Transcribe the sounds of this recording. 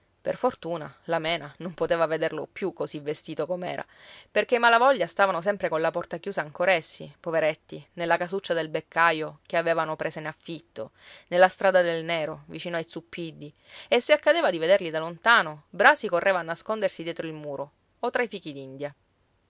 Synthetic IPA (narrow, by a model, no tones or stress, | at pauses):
pḛrfort̪uːna̰lamɛːnanompot̪eːvaved̪erlo̰pjukːosivːest̪iːt̪okomɛ̰ːɾa̰perk̟emalavɔʎːast̪aːvanos̬ɛmpɾekonlapɔrt̪akjuːsaːŋkoɾaesːḭpoveɾet̪ːinelːakasut͡ʃːad̪elbekːajok̟eaveːvanopɾeːsenafːit̪ːo̰nelːast̪ɾaːd̪ad̪elneːɾovit͡ʃiːnoajt̪supːid̪ːi | esːeakːad̪eːvad̪ived̪erlid̪alont̪aːnobɾaːsikorːeːvaːnːaskond̪ersid̪jɛt̪ɾoilmuːɾo | ot̪ːɾaifiːk̟id̪ind̪ja